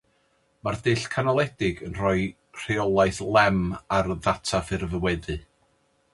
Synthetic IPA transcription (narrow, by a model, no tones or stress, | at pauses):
mardɨɬkʰanalˠɛdɪɡənrɔɨ | r̥eɔlˠajθlˠɛmarðatʰafɨrvəwɛðɨ